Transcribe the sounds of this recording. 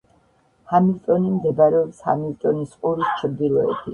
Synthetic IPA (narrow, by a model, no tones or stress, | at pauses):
hamilt̪ʼɔnimzɛbaɾɛɔpsha̰milt̪ʼɔnisqʼuɾist͡ʃʰɾd̪iɾɔɛ̰bi